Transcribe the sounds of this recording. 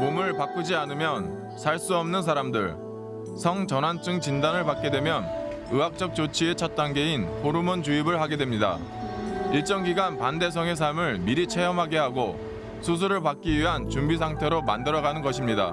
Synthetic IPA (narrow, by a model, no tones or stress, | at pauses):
momɯɭpak͈ud͡ʑianɯmjʌn | sʰaɭs͈uʌmnɯns̬ʰaɾamdɯɭ | sʰʌŋt͡ɕʌnɦant͡ɕ͈ɯŋt͡ɕindanɯɭpak͈̚e̞dwe̞mjʌn | ɯak̚t͡ɕ͈ʌk̚t͡ɕ͈ot͡ɕʰiet͡ɕʰʌt̚t͈anɡe̞inɸʰoɾumunt͡ɕuibɯɭhaɡe̞dwe̞mɲida̰ | iɭt͡ɕ͈ʌŋɡiɡanpande̞s̬ʰʌŋe̞s̬ʰaɭmɯɭmiɾit͡ɕʰe̞jʌmɦaɡeɦaɡo | sʰus̬ʰuɾɯɭpak͈iɥiɦant͡ɕumbis̬ʰaŋtʰe̞ɾoma̰ndɯɾʌɣanɯnɡʌɕʰimɲida̰